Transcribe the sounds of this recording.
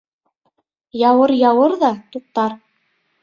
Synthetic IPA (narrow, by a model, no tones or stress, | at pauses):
jɑwɤɾjɑwɤɾðɑt̪ut̪ːɑɾ